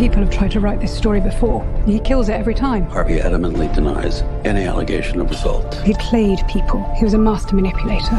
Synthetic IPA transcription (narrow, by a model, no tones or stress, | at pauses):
piˑpəl̩ˠəvtʰɹ̥aɪd̚tʰəɹaɪʔ̪̚ðɪstɔɹibɨfɔːɹə̃nikʰɪlˠzɪtɛvɹitʰãɪ̃mhɑɹviɛ̰ɾɨmə̃nʔlidɨna̰ɪzʔɛniæ̰lˠəɡḛɪʃɨ̃nʌvɹɨzʌ̰lˠthiɨd̚kʰl̥eɪd̚pʰiˑpʰəlˠhiwʌzəmaˑstə˞mənɪpʰjəleɪtə˞